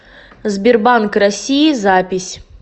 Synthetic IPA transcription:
zbʲirbankrɐsʲijizapʲisʲ

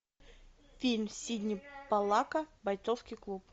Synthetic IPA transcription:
fʲilʲmsʲidʲnʲipɐlˠakəbɐjt̪sofskʲijklˠup

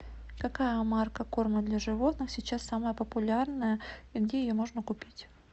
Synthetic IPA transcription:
kɐkajəmarkəko̞rməd̪lʲɐʐɨvo̞t̪nɨxsʲɪt͡ɕasːaməjəpəpʊlʲarnəjəiɡdʲejɪjomo̞ʐnəkʊpʲitʲ

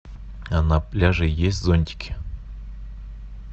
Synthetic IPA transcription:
anaplʲaʐɨjesʲtʲzonʲtʲɪ̥kʲɪ̥

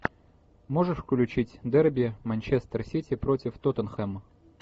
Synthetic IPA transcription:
moʐəʂfklʲʉt͡ɕitʲd̪ɛrbʲɪəmɐnʲt͡ɕest̪ərsʲitʲɪpɾotʲɪft̪ot̪ənxɛmə

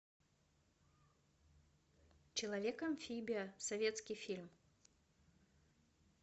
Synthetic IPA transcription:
t͡ɕɪlˠɐvʲekɐmfʲibʲɪjɐsɐvʲet̪skʲijfʲilʲm

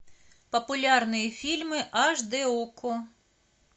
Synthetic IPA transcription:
pɔpʊlʲɑrnɪjifʲilʲmɪʔɐʒd̪eɔkʰʊ

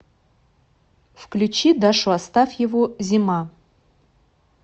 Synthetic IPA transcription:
fklʲut͡ʃid̪aʂuast̪afjɪvozʲima

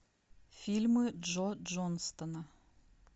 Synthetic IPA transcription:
fʲilʲmɨʐod͡ʒonst̪ɐnɐ

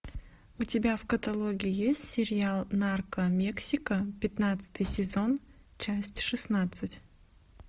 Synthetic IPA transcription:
ʊtʲɪbʲavkət̪ɐlˠoɡʲɪɪjesʲtʲsʲɪɾʲɪalˠnarkəmʲeksʲɪkəpʲɪt̪nat̪sɨ̥t̪ɨjsʲɪzo̞n | t͡ɕæsʲtʲʂɨsnat̪sɨtʲ

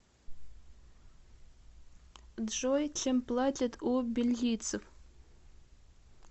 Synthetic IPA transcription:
dʐojt͡ʃʰemplˠatʲʼɪtʰʼubʲilːʲijt͡sʰɨf

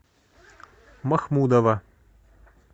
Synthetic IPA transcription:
mɐxmud̪ɐʋɐ

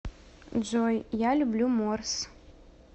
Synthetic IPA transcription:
d͡ʒojjalʲublʲumors

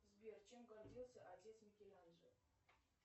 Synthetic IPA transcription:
zbʲert͡ɕemɡɐrdʲilˠsʲəʔɐtʲet̪smʲɪkʲelʲanʐə

